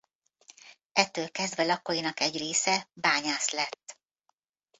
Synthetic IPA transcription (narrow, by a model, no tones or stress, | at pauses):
ɛt̪ːøːlkɛzd̪vɛlɒkojinɒkɛɟreːsɛbaːɲaːslɛt̪ː